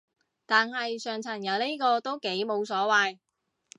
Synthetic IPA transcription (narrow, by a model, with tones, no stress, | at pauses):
t̪aː˨nhɐ˨jsœː˨ŋt͡sʰɐ˨˩njɐ˨˩wne˥kɔː˧t̪o˥wke˨˥jmo˨˧wsɔː˨˥waː˨˧j